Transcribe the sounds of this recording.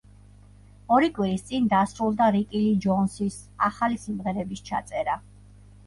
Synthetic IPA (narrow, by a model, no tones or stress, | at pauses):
ɔɾikʼwiɾist̪sʼind̪asɾulˠd̪aɾikʼilid͡ʒɔnsis | aχalisimʁɛɾɛbist͡ʃʰa̰t̪sʼɛɾa